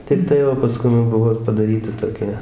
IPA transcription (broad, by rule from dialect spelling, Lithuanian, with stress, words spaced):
tʲɪkˈtɐɪ oː pɐˈskʊm jɛʊ ˈbʊʋoː ɪr pɐdɐˈrʲiːtɐ toːˈkʲɛ